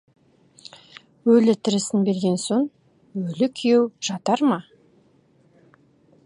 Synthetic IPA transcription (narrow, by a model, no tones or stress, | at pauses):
wɵlɪt̪ʰɪɾɪsɪnbe̞ɾɡʲe̞nso̞ɴ | wɵlɪkʲʰijewʒ̥ɑt̪ɑɾmɑ